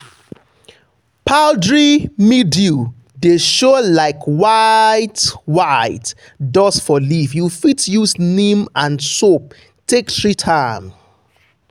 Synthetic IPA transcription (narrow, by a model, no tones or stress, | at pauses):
pʰaldɹimidu | deʃolaɪkʰwaɪtwaɪt | dɔsfɔlifjufitjusnĩmãnsop̚ | tʰektɹitʰãɪ̃m